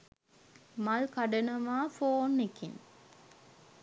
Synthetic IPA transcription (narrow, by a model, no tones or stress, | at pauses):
mɐlkɐɖənɐʋaːfoːnːekḭn